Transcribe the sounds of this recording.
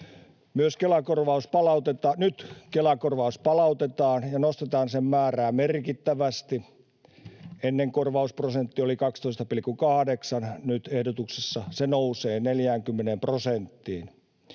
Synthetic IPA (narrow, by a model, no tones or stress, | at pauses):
myøskelækorʋɑuspɑlɑut̪et̪ɑːnyt̪kelækorʋɑuspɑlɑut̪et̪ɑːnjɑnost̪et̪ɑːnsemmæːræːmerkit̪ːæʋæst̪i | enːeŋkorʋɑusprosent̪ːiolikɑkst̪oist̪ɑpilkːukɑhɑdeksɑnnyt̪ehdot̪uksesːɑsenouseːneljæːŋkymːenemprosent̪ːiːn